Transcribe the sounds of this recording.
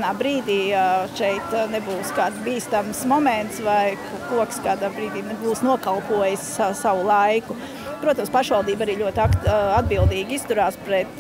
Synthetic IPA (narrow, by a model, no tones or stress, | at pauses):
naːbɾiːd̪iːʃɛjt̪nɛbuːskaːd̪biːst̪amsmɔmɛnt̪svajkkuɔkskaːd̪aːbɾiːd̪iːnebuːsnuɔkalˠpuɔjɪssaʋʊlˠajkʊ | pɾuɔt̪amspaʃʋalˠd̪iːbaɾiːlʎʲuɔt̪akad̪̚bilˠd̪iːɡist̪uɾaːspɾɛt̪